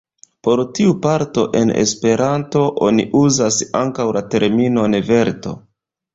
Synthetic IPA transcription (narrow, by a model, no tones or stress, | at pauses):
po̞ɾtiupaɾto̞ʔe̞̰ne̞̰spe̞ɾanto̞ʔo̞nḭʔuzasa̰ŋkawlate̞ɾmino̞ne̞ve̞ɾto̞̰